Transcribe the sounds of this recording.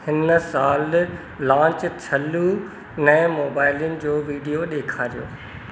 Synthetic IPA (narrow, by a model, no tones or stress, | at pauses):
hɪnsaːlː | ãːt͡ɕt͡ɕʰɐlu | nɛ̃ːmoːbaːɪljənɪ̆d͡ʑoːʋiːɖijoɗeːkʰaːɾijo̰ː